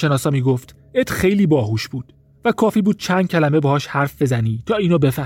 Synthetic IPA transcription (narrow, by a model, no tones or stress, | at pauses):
enɒːsɒːmiːɡoft̪ | et̪ʰxe̞jliːbɒːɦuːʃbuːd̪̥ | vækʰɒːfiːbuːd̪̥̚t͡ʃʰænd̪̥̚cʰælæme̞bɛhɒːʃhæɾfbe̞zæniːt̪ʰɒːiːnobe̞fæ